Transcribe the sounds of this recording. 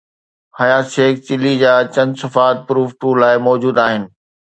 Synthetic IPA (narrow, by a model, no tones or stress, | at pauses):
hɐjaːt̪ʃeːk̚t͡ɕɪlid͡ʑaːt͡ɕɐ̃nsɐfaːt̪̚pɾuːfʈuːɾlaːɪmɔːd͡ʑuːd̪aːɦɪnɪ̆